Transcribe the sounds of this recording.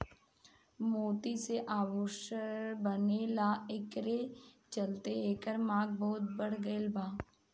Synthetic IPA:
moːt̪iseʔaːʋoʃəɾbənelaɪkɾe | t͡ʃəlt̪eeːkəɾmaːɡ̚bɔːʊt̪̚bəɽ̤ɡəɪlbaː

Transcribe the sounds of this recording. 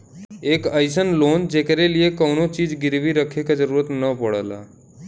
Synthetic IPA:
eːkəɪsənloːnd͡ʒeːkɾeliekəwnot͡ʃiːd͡ʒɡɪɾʋiɾəkʰekad͡ʒəɾuːɾət̪nəpəɽəla̰ː

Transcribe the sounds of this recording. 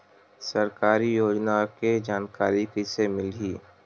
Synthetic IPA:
səɾkaːɾijoːd͡ʒnaked͡ʒaːnkaːɾikisemɪlɦiː

